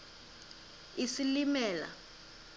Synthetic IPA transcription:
isilimɛːla̰

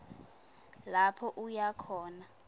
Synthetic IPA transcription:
lapʰɔʔujakʰɔːna

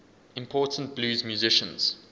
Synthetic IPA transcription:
ɪ̃mpʰɔːˑtʰənt̚b̥luːzmjuzɪʃə̃nz̥

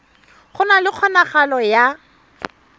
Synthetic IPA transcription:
χʊnalɪq͡χʰɔnaχalɔja

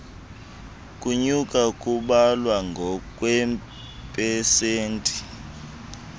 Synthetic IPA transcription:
kʼuɲukʼakʼuɓalwaŋɡʱɔk̬ʼwɛm | pʼɛseːntʼi̥

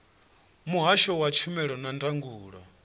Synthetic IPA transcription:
muɦaʃɔwat͡ʃʰumɛɺɔnantʼaŋɡuːɺa

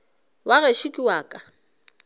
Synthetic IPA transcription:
waɣeʃikʼiwaːkʼa

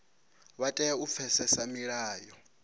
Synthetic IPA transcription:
βatʼɛup̪fʰɛsɛsamiɺaːjɔ

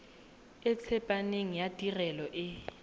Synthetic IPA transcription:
ɪt͡sʰɛpʼaneŋ̩jatʼirɛlɔʔɪ

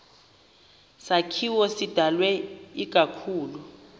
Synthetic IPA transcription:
sakʰiwɔsid̥ʱalwɛik̬ʼakʰuːlu

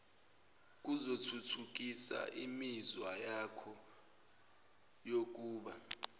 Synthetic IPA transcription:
k̬ʼuzotʰutʰuk̬ʼisa̰ʔimizwajakʰɔ | jok̬ʼuːɓa

